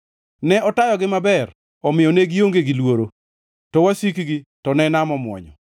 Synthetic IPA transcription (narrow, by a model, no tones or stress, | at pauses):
nɛɔtajɔɡɪmabɛr | ɔmɪjɔneɡijoŋɡeɡilwoɾo | tɔwasikiɡitɔnɛnamɔmwɔ̰ɲɔ